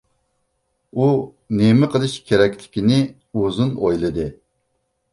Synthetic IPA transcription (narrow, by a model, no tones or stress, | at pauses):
u | nemɪqʰəlˠɨʃkʲʰeɾɛkʲlɪ̥kʲinɪ | ozunojlˠɨd̪ɨ